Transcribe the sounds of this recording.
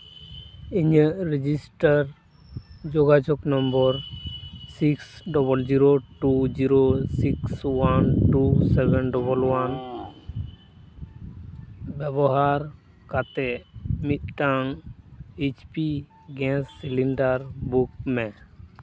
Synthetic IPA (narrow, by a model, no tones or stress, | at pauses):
iɲəɾid͡ʒisʈaɾ | d͡ʒɔɡad͡ʒɔknɔmbɔɾsiksɖɔbəld͡ʒiɾoʈud͡ʒiɾosikswanʈusɛbɛnɖɔbəlwan | bɛbɔɦaɾ | kat̪ɛmit̪̚ʈaŋ | et͡ʃpi | ɡɛ̃sːiliɳɖaɾbuk̚mɛ